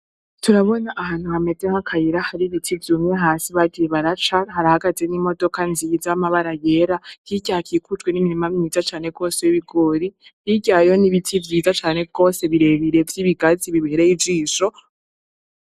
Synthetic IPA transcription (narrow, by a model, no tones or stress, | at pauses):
tuɾaβo̞naʔaɦaːn̥uhame̞dehakʰajiɾahaɾiβitʰivjumɲeɦaːsiβaɡieβaɾat͡ʃahaɾahaɡaze̞nimo̞do̞kanzizamaβaɾaje̞ɾahiɟakiːkut͡ʃɡwe̞nimiɾimamimizat͡ʃaːne̞ɡ̥o̞ːsejiβiɡo̞ɾihiɟajo̞niβitʰivjiːzat͡ʃaːne̞ɡ̥o̞ːse̞βiɾe̞βiɾe̞vjiːβiɡaziβiβeɾeid͡ʒiːʃo̞